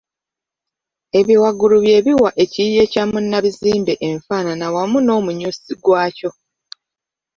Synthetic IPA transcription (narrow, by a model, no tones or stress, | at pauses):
e̞βiwaɡuluβje̞ːβiwaʔe̞cije̞camunːaβiziːmbe̞ʔeɱfaːnanawamuno̞ːmuɲusiɡwaːco̞